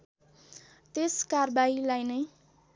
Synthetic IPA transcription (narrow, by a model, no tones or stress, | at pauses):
t̪eskarbailajnʌj